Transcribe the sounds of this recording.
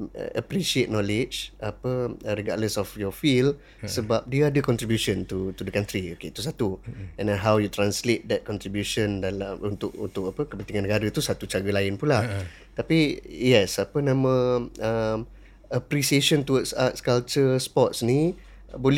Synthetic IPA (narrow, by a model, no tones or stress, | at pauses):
əpɾisiet̪̚nɔlɪd͡ʒʔapəəɾiɡadləsɔfjɔfil | səbap̚diəadəkɔnt̪ɾibjusɔ̃nt̪ut̪udəkãnt̪ɾioket̪us̬at̪uɛ̃nɦawjut̪ɾanslet̪̚dɛt̪̚kɔ̃nt̪ɾibjuʃəndalamunt̪ʊkṵnt̪ʊkapəkəpənt̪iŋanːəɡaɾət̪usat̪ut͡ʃaɡəlaɪnpula | t̪apijɛsapənãmə̃əm | əpɾisieʃɔnt̪uwətsa̰tskalt͡ʃəspɔt̪sni | bol